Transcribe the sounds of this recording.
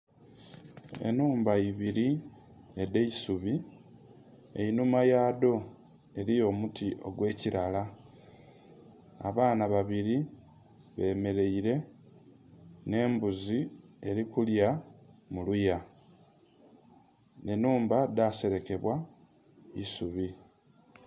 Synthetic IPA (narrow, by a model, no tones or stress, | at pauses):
e̞̰nuːmbaiβiɾi | edeisuβi | ḛinumajaːdo̞ | e̞ɾijo̞mutiʔo̞ɡwe̞ːciɾala | a̰βaːnaβaβiɾi | βe̞ːme̞ɾe̞iɾe̞ | ne̞ːmbuzie̞ɾikuljamuluja | ne̞nuːmbadase̞ɾe̞ke̞βwa | isuβi